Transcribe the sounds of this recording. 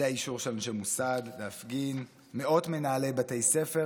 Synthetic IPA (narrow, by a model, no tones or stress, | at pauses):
eaiʃuʁʃelnʃemusadleafɡin | me̞o̞tme̞naːle̞batejse̞fe̞